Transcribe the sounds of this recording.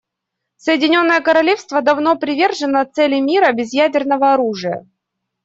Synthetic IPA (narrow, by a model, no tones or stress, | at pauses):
səjɪdʲɪnʲo̞nːəjəkəɾɐlʲefst̪vəd̪ɐvno̞pɾʲɪvʲe̞rʐɨnət̪sɛlʲɪmʲiɾəbʲɪzjædʲɪrnəvəɐɾuʐɨjə̰